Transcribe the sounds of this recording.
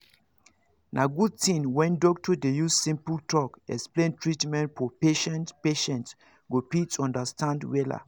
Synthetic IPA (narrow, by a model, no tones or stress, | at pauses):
nʔaɡutĩnwɛ̃ndɔktʰudejussĩmpəltʰɔkɛksplẽntɹitmɛ̃ntfɔpeʃɛ̃ntpeʃɛ̃nts | ɡopitɔ̃ndastʰãndwɛda̰